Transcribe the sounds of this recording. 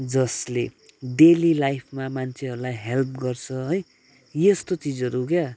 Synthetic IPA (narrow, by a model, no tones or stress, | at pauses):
d͡zʌsle | ɖelilajpʰmamant͡sʰeʌɾulajɦelp̚ɡʌrt͡sʰʌɦoj | jest̪ot͡sid͡zʌɾukja